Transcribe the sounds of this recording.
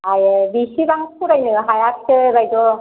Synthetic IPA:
ajɯbisibaŋpʰuɾajnɯɦajak̚sʰɯbajd̪ɔ

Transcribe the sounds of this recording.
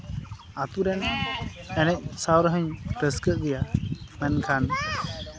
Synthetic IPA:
at̪uɾɛn | ɛnɛc̚ˀsawɾɦəɲɾəskəʔɡ̪ɛjamɛnkʰan

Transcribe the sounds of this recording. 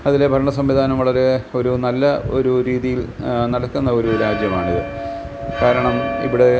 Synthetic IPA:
ɐðilebʱɐɾɐɳɐsɐmʋid̪ʱaːnɐmʋɐɭɐɾe̞o̞ɾunɐlːɐo̞ɾuɾiːðijil | nɐɽɐkːunːɐo̞ɾuɾaːd͡ʑjɐmaːɳiðɨ | kaːɾɐɳɐmḭʋiɽe̞

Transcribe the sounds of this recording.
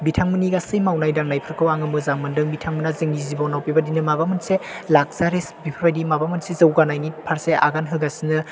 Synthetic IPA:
bitʰaŋmɯniɡasɯjmawnajdaŋnajpʰɯɾkʰɯwaŋɯmɯzaŋmɯndɯŋbitʰaŋmɯnazɯŋnizibɔnawpibadinɯmabamɯnselak̚z̥aɾesbipʰɯɾbajdimabamɯnsezɯwɡanajnipʰaɾsea̰ɡanɦɯɡasinɯ

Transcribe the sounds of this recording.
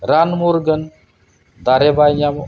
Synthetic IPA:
ɾanmoɾɡən | d̪aɾebajɲam

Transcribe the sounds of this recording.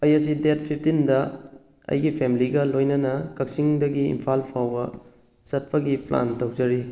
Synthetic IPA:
ɐjɐs̬idet̚pʰip̚ʰtindɐ | ɐ̰jɡipʰemiliɡɐlojnɐnɐkɐk̚siŋdɐɡiḭmpʰalpʰawbɐ | sɐt̚pɐɡipla̰ntɐwzɐɾi

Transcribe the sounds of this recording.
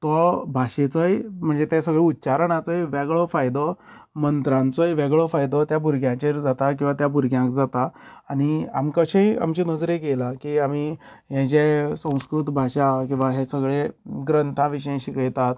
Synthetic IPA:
t̪ɔbʱaɕet͡sɔjm̤əɳd͡zet̪ɛ̃səɡɭeutːɕaɾəɳat͡sɔjʋɛɡɭɔfajd̪ɔ | mənt̪ɾãnt͡sɔjʋɛɡɭɔfajd̪ɔt̪jabuɾɡjãt͡ɕeɾd͡zat̪ak̬ĩw̃ʋat̪jabuɾɡjãkd͡zat̪aːɽ̃ia̰mkəɕə̃ja̰mt͡ɕinəd͡zɾekelakiamiː | ɦɛ̃t͡ɕesə̃w̃skɾut̪bʱaɕakĩw̃ʋaɦɛ̃səɡɭeɡɾənt̪ʰãʋiɕəj̃ɕikəjt̪at̪

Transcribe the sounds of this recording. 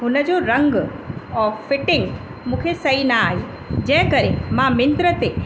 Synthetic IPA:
ɦʊnəd͡ʑoɾɐ̃ŋɡɔːfɪʈɪ̃ŋɡ | mũːkʰesɐinaaːɦiː | d͡ʑɐ̃ɦɪ̃kɐɾemãmɪ̃nt̪ɾət̪e

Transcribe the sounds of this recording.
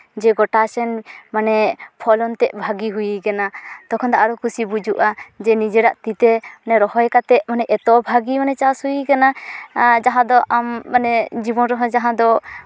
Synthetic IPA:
d͡ʒɛɡɔʈasɛnmanɛpʰɔlɔnt̪ɛʔ̚bʱaɡiɦujikanat̪ɔkʰɔnd̪aʔaɾukusibud͡ʒuʔad͡ʒɛnid͡ʒɛɖaʔt̪it̪ɛmanɛɾɔhɔjkat̪ɛʔ̚manɛʔɛt̪ɔbʱaɡimanɛt͡ʃashujikana | d͡ʒaɦãd̪ɔʔamːanɛd͡ʒibɔnɾɔɦɔjd͡ʒaɦãd̪ɔ

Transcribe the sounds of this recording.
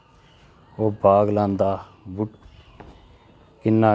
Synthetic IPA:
oːbaːɡlãːnd̪aː | bʊʈ | kɪnːaː

